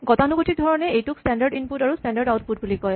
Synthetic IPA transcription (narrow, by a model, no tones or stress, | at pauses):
ɡɔtanuɡotʰidʱɔɹɔnɛejtʊkstɛndaɹɖinputaɹustɛndaɹɖawt̚put̚bulikɔj